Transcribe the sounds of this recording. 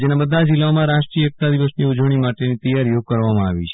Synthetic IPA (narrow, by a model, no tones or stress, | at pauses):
d͡ʒenabəd̪ʱad͡ʒilːaomãɾaʃʈɾiəek̚t̪ad̪iʋəsniud͡ʒʋəɽ̃imaʈenit̪əjaɾijokəɾʋamãaʋḭt͡ʃʰe̥